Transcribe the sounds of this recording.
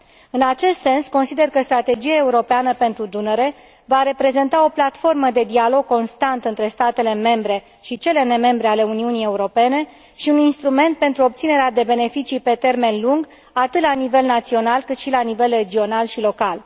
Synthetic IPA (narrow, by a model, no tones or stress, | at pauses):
ɨnat͡ʃe̞st̪se̞nsko̞nsid̪e̞rkəst̪ɾat̪e̞d͡ʒiae̞uɾo̞peanəpe̞nt̪ɾud̪uneɾe̞ | vaɾe̞pɾe̞ze̞nt̪ao̞plat̪fo̞rməd̪e̞d̪ialo̞ɡ̚ko̞nst̪ant̪ɨnt̪ɾe̞st̪at̪e̞le̞me̞mbɾe̞ | ʃit͡ʃe̞le̞ne̞me̞mbɾe̞ale̞uniunie̞uɾo̞pe̞ne̞ | ʃiuninst̪ɾume̞nt̪̚pe̞nt̪ɾuop̚t̪sine̞ɾead̪e̞be̞ne̞fit͡ʃipe̞t̪e̞rme̞nluŋɡ | at̪ɨt̪lanive̞lnat̪sio̞nalkɨt̪ʃilanive̞lre̞d͡ʒio̞nalʃilo̞kal